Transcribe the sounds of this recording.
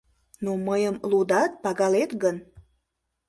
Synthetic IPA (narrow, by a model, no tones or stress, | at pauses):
noməjəmlud̪ɑt̪̚pɑɣɑlet̪ɣən